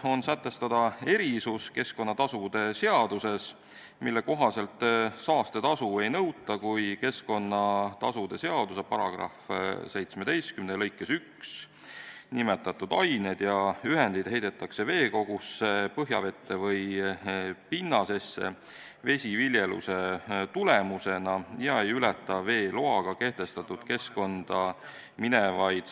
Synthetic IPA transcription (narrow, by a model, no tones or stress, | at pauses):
o̞nsæt̪ːˑe̞st̪ɑd̪̥ɑe̞ɾisuske̞sko̞nːɑt̪ɑsud̪̥e̞se̞ɑd̪̥use̞s | milːe̞ko̞ɦɑse̞lt̪ˑsɑːst̪e̞t̪ɑsue̞jnɤwt̪ːˑɑkujke̞sko̞nːɑt̪ɑsud̪̥e̞se̞ɑd̪̥usepɑɾɑ̰ɡ̥rɑ̰fse̞jt̪smed̪̥e̞jst̪kymnelɤjkˑːe̞syks | nime̞t̪ːˑɑt̪ːˑud̪ɑjned̪̥jɑyɦend̪̥id̪ɦe̞jd̪̥e̞t̪ːˑɑkse̞ve̞ːko̞ɡ̥usepɤɦjɑ̰ve̞t̪ːe̞vɤj | pinːɑse̞sːe̞̰ | ve̞sʲivilʲjelṵse̞t̪ule̞muse̞nɑjɑe̞jylɛt̪ˑːɑve̞ːloɑɡ̥ɑke̞ht̪e̞st̪ɑt̪ːˑud̪̥ke̞sko̞nd̪̥ɑ | minevɑjd̪̥